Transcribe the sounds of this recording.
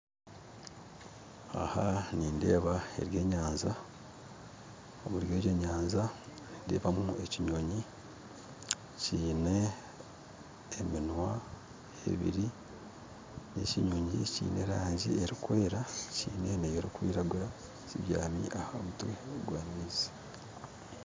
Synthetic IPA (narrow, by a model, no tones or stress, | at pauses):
a̰haniːnde̞̰ːβae̞̰ɾje̞ːɲaːnza | omuɾjoje̞ːɲaːnzaninde̞̰ːβamue̞ciɲoɲi | ciːne̞ | minwa | ḛβḭɾi | ne̞̰ciɲoɲḭcḭːne̞ɾaːɲɟieɾikwe̞ːɾacḭːne̞nejeɾikwiːɾaɡuɾa | ziβja̰ːmḭʔahaomutuɡwaːmiːzi̥